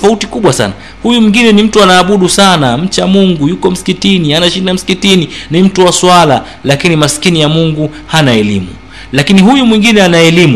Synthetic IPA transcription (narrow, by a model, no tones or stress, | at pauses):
fautikuɓwasa̰na | hujumwiŋɡinɛnim̩tuanaːɓuɗusanam̩t͡ʃamuŋɡujukɔm̩si̥kitinianaʃindam̩si̥kitininim̩tuwaswala | lakinimasi̥kinijamuŋɡu | hanaɛlḭmṵ | lakiniɦujumwiŋɡinɛanaɛlim